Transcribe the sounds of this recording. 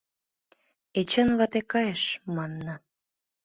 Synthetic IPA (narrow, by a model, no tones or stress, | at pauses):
et͡ɕənβɑt̪ekɑjeʃmɑnːɤ